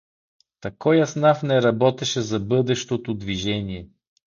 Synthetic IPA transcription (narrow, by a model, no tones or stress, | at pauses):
t̪ɐkɔjɐsnafnɛɾɐbɔt̪ɛʃɛzɐbɤd̪ɛʃt̪ot̪od̪viʒɛniɛ